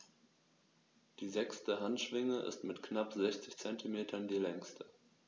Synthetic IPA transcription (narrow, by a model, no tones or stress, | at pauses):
d̥iːzɛkstəɦantʃv̥ɪŋəʔɪ̰stmɪtknapz̥ɛçt͡sɪçt͡sɛntʰimeːtʰɐndiːlɛŋstə̥